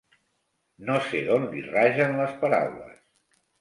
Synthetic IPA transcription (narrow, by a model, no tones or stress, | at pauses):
noseðonliraʒənləspəɾa̰wlə̰s